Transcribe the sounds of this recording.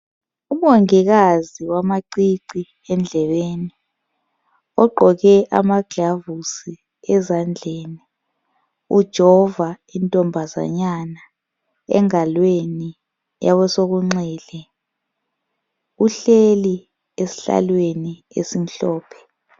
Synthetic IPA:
umoŋiɣaziwamaǀiǀi | ɛnd͡ɮʱɛβeni | ɔɡ͡ǃʱɔɣɛʔamaɡ̥ʱavusi | ɛzand͡ɮʱeːni | ud̥ʒ̥ʱɔva | intʼɔmbʱaza̰ɲana | ɛ̰ŋalweni | jaβɔsoɣuŋ͡ǀɛːlɛ | uɬeli | esi̥ɬa̰lweni | ḛsim̩ɬɔːpʰɛ̥

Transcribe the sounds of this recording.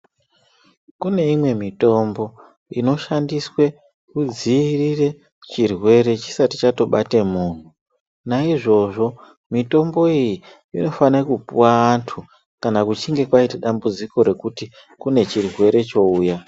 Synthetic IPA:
kune̞imwe̞mito̞mbo̞ | ino̞ʃandiswe̞ | kud͡zirire̞ | t͡ʃirwe̞ɾe̞t͡ʃi̥sati̥t͡ʃato̞ɓatemuːn̤u | naiʐo̞ʐo̞ | mito̞mbo̞iji | ino̞fanakupuwaːntʰu | kanakut͡ʃiŋɡe̞kwaitaɗambud͡ziko̞ɾe̞kuti | kune̞t͡ʃirwe̞ɾe̞t͡ʃo̞uːja

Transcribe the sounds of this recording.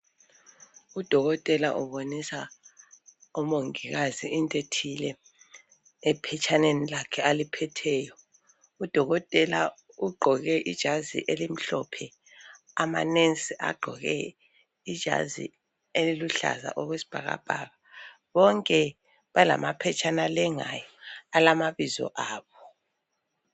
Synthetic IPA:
ud̥ʱɔɣɔtʼɛlaʔuβonisa | ɔmoŋiɣaziːntʼetʰilɛ | pʰɛt͡ʃʰʼanenilakʰɛalipʰɛtʰɛːjɔ | ud̥ʱɔɣɔtʼɛla | uɡ͡ǃʱɔɣɛʔid̥ʒ̥ʱazḭʔelim̩ɬɔpʰɛ | ama̰nensʼiʔa̰ɡ͡ǃʱɔɣɛ̰ | id̥ʒ̥ʱa̰zḭ | eliluɬa̰za̰ʔɔɣwesi̥b̥ʱaɣa̰b̥ʱaːɣa | βɔŋkʼɛ | βala̰mapʰɛt͡ʃʰʼanalɛŋa̰jɔalamaβizɔ̰ʔaːβɔ

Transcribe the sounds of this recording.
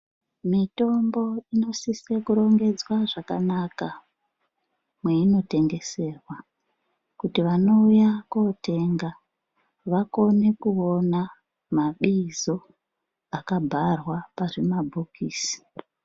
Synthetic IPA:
mito̞mbo̞ino̞sisekuɾo̞ŋɡe̞d͡zwaʐakanaka | mwe̞ino̞te̞ŋɡe̞se̞ːrwa | kutiʋano̞ujakote̞ŋɡa | ʋako̞ne̞kuo̞na | maɓizo̞ | akabʱarwaparemabʱukiːsi̥

